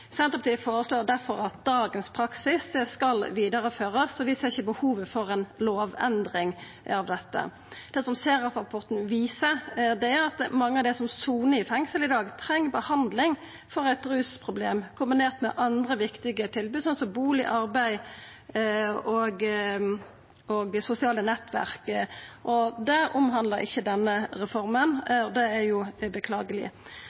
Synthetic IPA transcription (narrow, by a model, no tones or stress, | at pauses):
sɛnt̪ʁəpɑt̪iːfoːɾəsloːʁd̪æʁfɔʁɑt̪̚d̪ɑːɡənspʰɾɑksɪsd̪ɛskɑlʋiːd̪ɑʁəføːʁəsɔʋɪseːɪçəbəhuːʋəfɔʁɛnloːʋɛnd̪ʁɪŋ | ɑʋd̪ɛt̪ːə̰ | d̪̥ɛːsɔmseːɾɑfɑpʰɔʁt̪n̩ʋiːsəd̪ɛæɾɑt̪mɑŋːəɑʋd̪ɛsɔmsuːnəɪfɛŋsəlɪd̪ɑːɡt̪ʰɾɛŋːəbəhɑnd̪lɪŋ | fɔʁæɪt̪ɾʉːspʰʁʊbleːmkʰʊmbɪneːʁt̪mɛ̰ʔɑnd̪ʁəʋɪkt̪ɪɡət̪ʰɪlbʉːd̪sɑnsɔbuːlɪ̰ʔɑɾbæɪ | oɡ | oɡsʊsɪɑːlənɛt̪ːʋæ̰ʁkʔɔd̪ɛʊmɦɑnd̪ləʁɪ̰çːəd̪ɛnːəʁɛfɔɾmənɔd̪ɛæjʊbəkʰlɑːɡəlɪ̰